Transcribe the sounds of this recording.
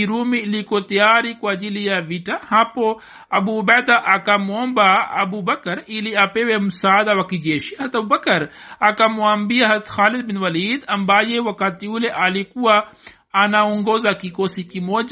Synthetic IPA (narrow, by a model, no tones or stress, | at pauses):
iɾuːmilikot̪ijaːɾikuad͡ʒilijaʋiʈahãːpo | ɐbuːbɛːd̪aʔakamoɐmbaɐ̰bubɐkɐɾiliapeːwemusaːd̪awɐkid͡ʒeːʃiɦɐzɾɐt̪ɐbubɐkɐɾakamuɐmbiaɦɐzɾɐt̪xaːlid̪binwɐliːd̪ɐmbaːjewɐkat̪iuleʔaːlikua | anauŋɡoːzakikoːsikimoːd͡ʒ